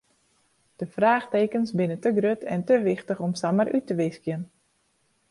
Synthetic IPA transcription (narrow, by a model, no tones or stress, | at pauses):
d̥əfraːxteːkənsbɪnətəɡrøtʰɛntəʋɪxtəxɔmsamərʔytəʋɪskjən